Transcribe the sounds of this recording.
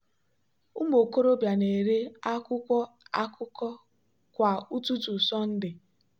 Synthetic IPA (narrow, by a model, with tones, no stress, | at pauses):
u˦m˦o˨ko˦ɾo˦bja˨ne˨e˨ɾe˦a˦kʊ˦kʷɔ˦ | a˦kʊ˦kɔ˦ | kʷa˨u˦tu˦tu˨sɔ˦n̩˦dɪ˨